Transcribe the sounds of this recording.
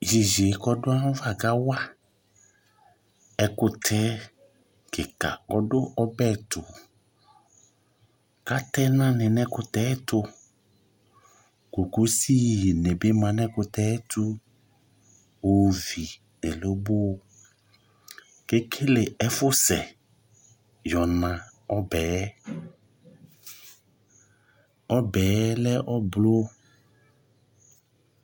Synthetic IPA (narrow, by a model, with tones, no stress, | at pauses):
ʒi˨ʒe˨kɔ˦dʊ˦ã˦va˦˨ɡa˦wa˦ | ɛ˦kʊ˦tʰɛ˨˦ | ke˨ka̰˨kɔ˦dʊ˦ʔɔ˦bɛ˦˨tʊ˨ | ka˦tɛ˦nã˦nɪ̃˨nɛ̃˦kʊ˧t̪ɛ˦t̪ʊ˧ | ko˨ku˦si˦˨ji˨nẽ˨be˦mã˨nɛ̃˦kʊ˧t̪ɛ˦tu˦ | o˨vi˨ | nɪ˨lo˦bo˦˨ | ke˦kʰɪ˦lɪ˨ɛ˦fʊ˦sɛ˨ | jɔ˨nã˨ | ɔ˦bɛː˨˦ | ɔ˦bɛː˨˦lɛ˦ʔɔ˦blo˦